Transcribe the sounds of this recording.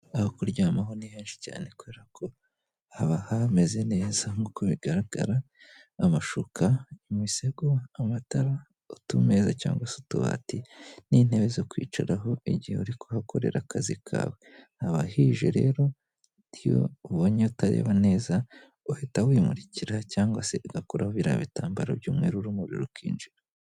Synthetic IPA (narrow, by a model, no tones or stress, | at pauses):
ahokuɾɟaːmaɦo̞niheːnʃi̥ca̰ːne̞kuβe̞ːɾakʰo̞ | haβahame̞ze̞ne̞ːzamukuβiɡ̥aɾaɡ̥a̰ɾaː | maʃukʰamwise̞ɡoamataɾa | otume̞zaca̰ːŋɡwasotuβa̰tinin̥he̞βezokwiːt͡ʃa̰ɾaɦo̞iɟiheuɾikʰohakʰo̞ɾe̞̰ɾʔakʰazikʰa̰ːwehaβahiːʒḛɾe̞̰ːɾo̞ | nijo̰uβoɲeutaɾḛːβane̞ːza | uhetawiːmṵɾiciɾacaːŋɡwase̞ɡakoɾʔahoβiɾa̰βitaːmbaɾa̰bɟuːmŋe̞ːɾuɾumuɾḭɾokwḭːnd͡ʒiɾa